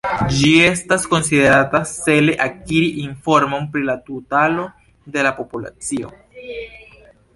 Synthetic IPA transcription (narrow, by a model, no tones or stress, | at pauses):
d͡ʒie̞stasko̞nside̞ɾatase̞le̞ʔakiɾiʔinfo̞ɾmo̞npɾilatutalo̞ | de̞lapo̞pula̰t͡sio̞̰